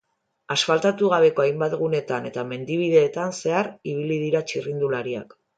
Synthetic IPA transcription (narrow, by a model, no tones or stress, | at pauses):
asfalt̪at̪uɣ̞aβ̞e̞ko̞ajmbat̪ɣune̞t̪ane̞t̪ame̞nd̪iβ̞iðe̞ːt̪anse̞aɾiβ̞ilið̞iɾat͡ʃirind̪ulaɾia̰k